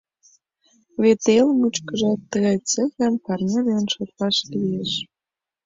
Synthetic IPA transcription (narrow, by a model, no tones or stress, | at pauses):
βet̪elmut͡ɕkə̆ʒɑt̪ːəɣɑjt͡sĕxempɑrnʲelenʃot̪pɑʃlijeʃ